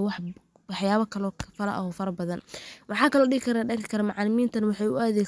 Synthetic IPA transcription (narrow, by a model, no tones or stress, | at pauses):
wɑħ | wɑħjaːβɐkʰɐlɔːkʰfɐlɐ̰ʔɐ̰ɦɔːfɐɾɐbɐðɐnwɑħɑːkʰɐlɔːɖɪɣɪkʰɐɾaɖɐɾɪkʰɐɾɐmʊʕɑlɪmiːnt̪ʰɐnɐwɑħɑjʊɐðɛ